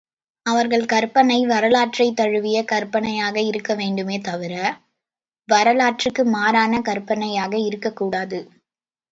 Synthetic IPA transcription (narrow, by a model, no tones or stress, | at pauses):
ɐʋɐɾɣɐɭkɐɾpɐnɐɪʋɐɾɐlaːʈrɐɪt̪ːɐɻɯʋɪjɐkɐɾpɐnɐjaːɣɐɪɾɯkːɐʋeːɳɖɯmeːt̪ɐʋɪɾɐ | ʋɐɾɐlaːʈrɪkːɯmaːɾaːnɐkɐɾpːɐnɐjaːɣɐɪɾɯkːɐkːuːɽaːðɯ